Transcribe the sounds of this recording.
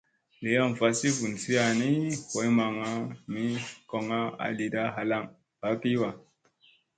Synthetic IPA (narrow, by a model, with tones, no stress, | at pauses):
le˨ja˦˨m˨fa˨si˦fu˨nsi˦a˨ni˦ko˨˦jma˨ŋa˦mi˦ko˨ŋa˦a̰˨li˨da˦ɦa˨la˦˨ŋ | ba˨˦pi˦wa˨